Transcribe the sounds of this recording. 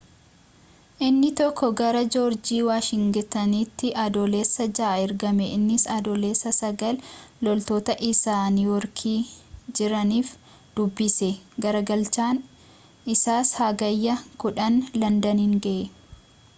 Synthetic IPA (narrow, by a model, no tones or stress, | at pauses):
ʔɪnːɪt̪ɔkːɔɡɐɾɐd͡ʒoːɾd͡ʒiːwaːʃɪŋɡɪt̪ɐniːt̪ːɪʔɐd̪oːle̞ːsːɐd͡ʒaːɪɾɡɐmɛʔɪnːɪsɐd̪oːle̞ːsːɐsɐɡɐllɔlt̪o̞ːt̪ɐʔɪsaːniːwɔɾkʰiːd͡ʒɪɾɐniːf | d̪̥ʊbːɪsɛɡɐɾɐɡɐlt͡ʃaːn | ʔɪsaːshaɡɐjːɐkʊᶑɐnlɐnd̪ɐniːŋɡɐʔe